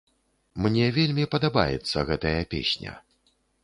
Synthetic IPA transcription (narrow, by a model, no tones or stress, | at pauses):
mnʲɛvʲelʲmʲipɐd̪aba̰jɛ̰t̪sːɐɣɛt̪ɐjɐpʲḛsʲnʲɐ̰